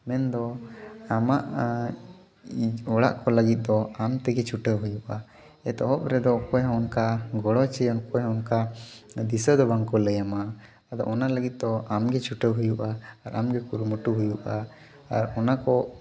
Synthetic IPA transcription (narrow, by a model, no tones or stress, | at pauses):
mɛnd̪ɔamaʔ | ɔɽa̰ʔkɔləɡit̪̚ˀd̪ɔamt̪ɛɡɛt͡ʃʰuʈəwɦujuʔa | ɛt̪ɔɔpɾɛd̪ɔkɔjɔ̃ɔnkaɡɔɽɔt͡ʃɛjɔnkɔjɔ̃ɔnkad̪isəd̪ɔbaŋkɔləjama | ad̪ɔ̰ʔɔnaləɡit̪̚ˀd̪ɔamɡɛt͡ʃuʈəwɦujuʔaːɾamɡɛkuɾməʈuɦujuʔaː | ɾɔnakɔ